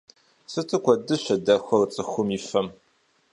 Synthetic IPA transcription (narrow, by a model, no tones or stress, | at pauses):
sɨtʰɨkʷʰɔdɨɕʷɐdɐxʷɐrt͡sʼɨxʷʊmifɐm